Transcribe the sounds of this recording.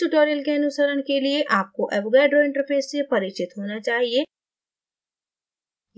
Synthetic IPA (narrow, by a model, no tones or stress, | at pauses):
uʈoːɾijəlkeɐnʊsəɾəɽ̃kelieʔaːp̚koʔɛʋɡaːɖɾoɪ̃ɳʈəɾpʰeːsːepɐɾɪkt͡ʃɪt̪ɦoːnat͡ʃaːɦie